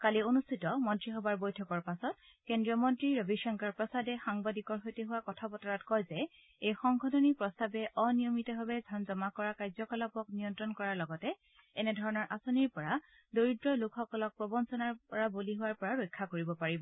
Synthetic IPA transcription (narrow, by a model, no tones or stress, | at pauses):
kalionustʰitɔmɔntɹiɦɔbaɹbojtʰɔkɔɹpasɔt̚ | kendɹiɔmɔntɹiɹobiʃɔŋkaɹpɹɔsadɛxaŋbadikɔɹɦojteɦʊwakɔtʰapɔtɔɹatkɔjzɛ | ejxɔŋɡʰʱɔdɔnipɹɔstabɛʔɔnijɔmitɔɦɔbɛzʱɔnzɔmakɔɹakajzɔkɔlɔpɔknijɔntɹɔnkɔɹaɹlɔɡɔtɛ | ɛnɛdʱɔɹɔnɔɹʔasoniɹpɔɹa | doɹidɹɔlukʰɔkɔlɔk̚pɹɔbɔnsɔnaɹpɔɹaboliɦʊwaɹpɔɹaɹojkʰːakoɹibɔpaɹibɔ